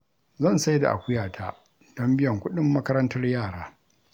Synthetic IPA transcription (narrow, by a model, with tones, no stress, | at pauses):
zɐ˦˨nsa˦jda̰˨ʔa̰˨kʷʊ˦jaː˨tʰaː˦ | d̥ɔ˦mbɪ˦jɐ˨ŋkʷʊ˦ɗɪ˦mːɐ˦kɐ˦ɾɐ˦ntɐ˦rjaː˦˨ɽaː˦